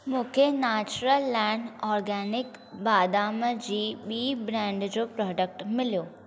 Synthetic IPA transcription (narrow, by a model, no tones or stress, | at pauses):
mũːkʰenaːt͡ɕɾəlːɛːɳɖɔːɾɡɛːnɪkbaːd̪aːməd͡ʑiːɓiːbɾɛ̃ːɳɖd͡ʑopɾɔːɖək̚ʈmɪlijoː